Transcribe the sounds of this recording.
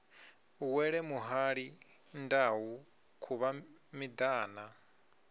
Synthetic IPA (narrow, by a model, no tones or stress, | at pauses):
uwɛɺɛmuɦaɺindawu | kʰuβamid̪aːna